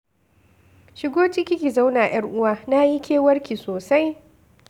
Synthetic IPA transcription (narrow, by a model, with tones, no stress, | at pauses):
ʃɪ˦ɡʷoː˦t͡ʃɪ˦kʲɪ˦kʲi˨za˦wnaː˨j̰ɐ˦rʔʊ˦waː˦na˦ji˦kʲʰeː˦wɐ˦rkʲi˨soː˨sa˦j